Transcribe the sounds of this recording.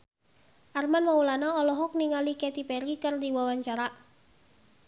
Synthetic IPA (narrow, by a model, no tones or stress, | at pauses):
ʔarmanmaulanaɔlɔɦɔk̚niŋalikɛt̪ipeɾikɨrd̪iwawaɲt͡ʃaɾa